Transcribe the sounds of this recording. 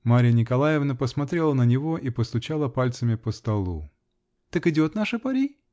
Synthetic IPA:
maɾʲɪjənʲɪkɐlˠajɪvnəpəsmɐt̪ɾʲe̞lˠənənʲɪvo̞ʔipəst̪ʊt͡ɕalˠəpalʲt̪səmʲɪpəst̪ɐlˠṵ | t̪əkɨdʲo̞t̪naʂɨpɐɾʲi

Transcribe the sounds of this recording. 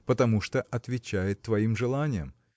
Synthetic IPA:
pət̪ɐmuʂt̪oʔɐt̪vʲɪt͡ɕæjɪt̪ːvɐimʐɨlˠanʲɪjə̰m

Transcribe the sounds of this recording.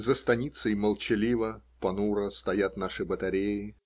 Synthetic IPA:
zəst̪ɐnʲit̪səjməlˠt͡ɕɪlʲivəpɐnuɾəst̪ɐjat̪naʂɨbət̪ɐɾʲejɪ

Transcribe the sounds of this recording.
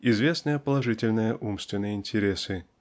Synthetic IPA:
ɪzvʲe̞snɨjəpəlˠɐʐɨtʲɪlʲnɨjəʔumst̪vʲɪnːɨjəɪnʲtʲɪɾʲesɨ

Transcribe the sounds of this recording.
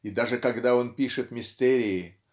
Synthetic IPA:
ɪd̪aʐɨkɐɡd̪ao̞npʲiʂɨt̪mʲɪst̪ɛɾʲɪɪ

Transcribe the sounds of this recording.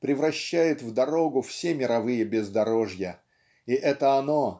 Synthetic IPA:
pɾʲɪvɾɐɕːæjɪt̪vd̪ɐɾo̞ɡʊfsʲemʲɪɾɐvɨjəbʲɪzd̪ɐɾo̞ʐjə | iʔɛt̪əɐno̞

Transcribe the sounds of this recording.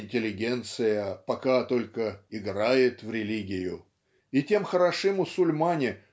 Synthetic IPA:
ɪnʲtʲɪlʲɪɡʲe̞nt̪sɨjəpɐkat̪o̞lʲkəɪɡɾajɪt̪vɾʲɪlʲiɡʲɪjʊ | ɪtʲe̞mxəɾɐʂɨmːʊsʊlʲmanʲɪ

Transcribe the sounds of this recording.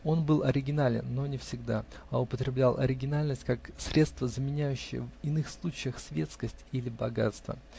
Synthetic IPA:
o̞nbɨlˠʔɐɾʲɪɡʲɪnalʲɪ̰nːo̞nʲɪfsʲɪɡd̪aɐʊpət̪ɾʲɪblʲalˠʔɐɾʲɪɡʲɪnalʲnəsʲtʲkaksɾʲe̞t̪st̪vəzəmʲɪnʲæjʉɕːɪjə̰vɪnɨxslˠut͡ɕɪjəxsvʲe̞t̪skəsʲtʲilʲɪbɐɡa̰t̪st̪və̰

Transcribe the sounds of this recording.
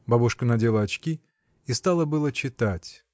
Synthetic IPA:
babuʂkənɐdʲelˠəɐt͡ɕkʲi | ist̪alˠəbɨlˠət͡ɕɪt̪atʲ

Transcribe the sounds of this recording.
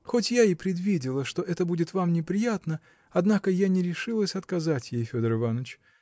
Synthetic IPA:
xotʲjaipɾʲɪd̪vʲidʲɪlˠəʂt̪oʔɛt̪əbudʲɪt̪vamnʲɪpɾʲɪjat̪nə | ɐd̪nakəjanʲɪɾʲɪʂɨlˠəsʲɐt̪kɐzatʲjejfʲod̪əɾɨvanət͡ɕ

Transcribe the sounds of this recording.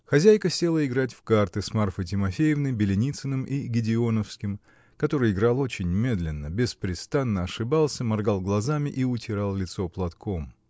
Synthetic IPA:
xɐzʲæjkəsʲe̞lˠəɪɡɾat̬ʲfkart̪ɨsmarfətʲɪmɐfʲejɪvnəjbʲɪlʲɪnʲit̪sɨnɨmʔiɡʲɪdʲɪo̞nəfskʲɪm | kɐt̪o̞ɾɨjɪɡɾalˠo̞t͡ɕɪnʲmʲe̞d̪lʲɪnːəbʲɪspɾʲɪst̪anːəɐʂɨbalˠsʲəmɐrɡalˠɡlˠɐzamʲɪʔiʊtʲɪɾalˠlʲɪt̪so̞plˠɐt̪kʰo̞m

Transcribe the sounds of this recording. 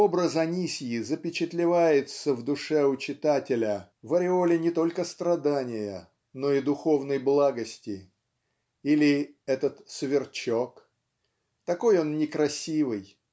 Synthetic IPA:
o̞bɾəzɐnʲisʲjɪzəpʲɪt͡ɕɪt̪lʲɪvajɪt̪səvd̪ʊʂɛʊt͡ɕɪt̪atʲɪlʲə | vəɾʲɪo̞lʲɪnʲɪt̪o̞lʲkəst̪ɾɐd̪anʲɪjə̰ | no̞id̪ʊxo̞vnəjblˠaɡəsʲtʲɪ | ilʲɪɛt̪ət̪svʲɪrt͡ɕok | t̪ɐko̞jo̞nnʲɪkɾɐsʲivɨj

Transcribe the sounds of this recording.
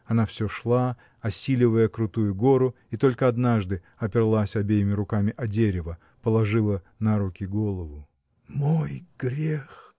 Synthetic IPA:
ɐnafsʲoʂlˠa | ɐsʲilʲɪvəjəkɾʊt̪ujʊɡo̞ɾʊ | it̪o̞lʲkəɐd̪naʐd̪ɨ | ɐpʲɪrlˠasʲɐbʲejɪmʲɪɾʊkamʲɪʔɐdʲeɾʲɪvə | pəlˠɐʐɨlˠə | nɐɾukʲɪɡo̞lˠəvʊ | mojɡ̥ɾʲex

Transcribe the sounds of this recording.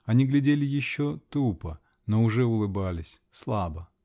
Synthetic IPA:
ɐnʲiɡlʲɪdʲelʲɪjɪɕːot̪upə | noʊʐɛʊlˠɨbalʲɪsʲ | slˠabə

